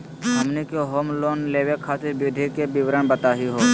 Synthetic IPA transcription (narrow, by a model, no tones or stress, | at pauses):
ɦəmnekoɦoːmloːnleːʋekʰaːt̪ɪɾbʊd̪ʱikebɪʋɾəɳbət̪aːɦiɦoː